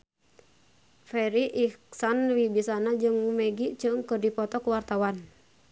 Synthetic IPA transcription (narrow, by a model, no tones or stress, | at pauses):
fɛɾiʔiksanwibisanad͡ʒɨŋmɛɡiʔt͡ʃɨŋkɨrdipɔt̪ɔkuwart̪awan